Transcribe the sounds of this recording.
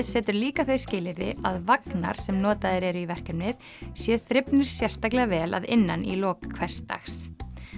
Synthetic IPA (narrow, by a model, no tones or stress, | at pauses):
sɛːt̪ʏɾliːkaθœɥscɪːlɪɾðɪaðvakna̰ɾ̥sɛmnɔːt̪aðɪɾɛɾʏivɛr̥kʏmnɪð | sjɛθɾɪpnʏɾ̥sjɛr̥st̪aklɛɣavɛːla̰ðɪnːanilɔːkʰvɛr̥st̪a̰xs